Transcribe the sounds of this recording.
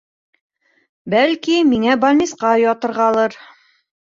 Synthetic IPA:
bælkimiŋæbɐlʲnʲisqɑjɒt̪ɤ̆ɾʁɑlˠɤɾ

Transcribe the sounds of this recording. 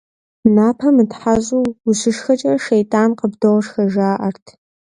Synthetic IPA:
naːpʰɐmɨtħaʑʼuwʊɕɪʂxɐt͡ʃʼɐrɐʃejtʼaːnqəbdoʁʂxɐʒaːʔɐrtʰ

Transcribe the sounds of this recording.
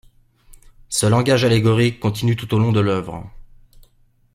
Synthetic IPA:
səlɑ̃ɡaʒaleɡɔʁikːɔ̃t̪inyt̪ut̪olɔ̃d̪əlœvʁ̰

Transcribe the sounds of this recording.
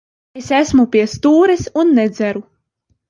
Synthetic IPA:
esæsmupʲiɛst̪uːɾɛsunːɛd̪zʲæɾu

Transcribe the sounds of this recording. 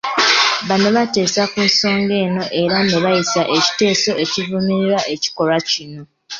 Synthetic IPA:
βano̞βate̞ːsakunso̞ːŋɡe̞ːno̞ʔe̞ɾaneβajisaʔe̞ci̥te̞ːso̞ʔe̞civumiɾiɾaʔeci̥ko̞lwacino̞

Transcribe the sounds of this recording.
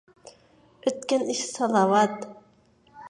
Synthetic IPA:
ɵ̆t̪̚kʲænɪʃsɑlˠɑwɑt̪

